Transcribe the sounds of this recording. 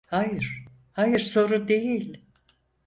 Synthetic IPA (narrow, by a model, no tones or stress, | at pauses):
hajɯɾ̥ | hajɯɾso̞ɾud̪e̞jilʲ